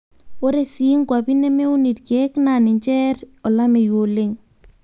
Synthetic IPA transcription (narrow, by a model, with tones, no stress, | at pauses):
o˦ɾe˦si˦ŋkwa˨bi˦nɛ˦me˦u˦ni˨tkɛ˦kna˨nɪ˨ɲt͡ʃɛ˦ɾɔ˨la˦me˨jo˨le˦ŋ